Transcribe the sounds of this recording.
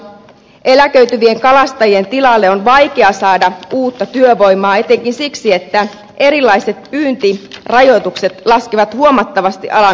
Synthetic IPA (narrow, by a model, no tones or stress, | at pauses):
ʔe̞lækø̞yt̪yʋie̞ŋkɑlɑst̪ɑjie̞nt̪ilɑlːeonʋɑjke̞ɑsɑːdɑuːt̪ːɑt̪yøʋo̞jmɑːe̞t̪e̞ŋkinsiksie̞t̪ːæ | ʔe̞ɾilːɑjse̞t̪̚pyːnt̪irɑjo̞jt̪ukse̞t̪lɑskiʋɑt̪huo̞mɑt̪ːɑʋɑst̪iʔɑlɑ